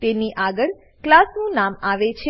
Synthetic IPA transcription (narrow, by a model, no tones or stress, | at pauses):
t̪eniʔaɡəɭ | klasnũnamaʋet͡ʃʰe